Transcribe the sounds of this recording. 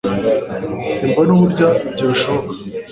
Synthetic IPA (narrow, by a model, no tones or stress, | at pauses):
siːmbanuβuɾɟaɟeʃokḁ